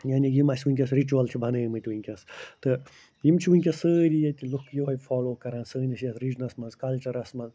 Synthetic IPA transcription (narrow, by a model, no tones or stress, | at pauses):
jaːnʲijimɐsʲʋunʲkʲɐsɾit͡ʃuɐlt̪ʲʰibʱɐnɨːmɨt̪ʲʋɨŋʲkʲɐst̪ɨ | jimt͡ʃʰiʋunʲkʲɐsəːɾʲijɐt̪ʲilukʰjuʋɐfɔːloːkɐɾɐ̃ːnsəːnʲɐsjɐsɾid͡ʒnɐsmɐnzkɐlʲt͡ʃɐɾɐsmɐnz